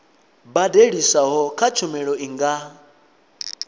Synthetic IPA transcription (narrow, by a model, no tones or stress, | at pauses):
badeɺisaɦɔkʰat͡ʃʰɔmɛɺɔiŋɡa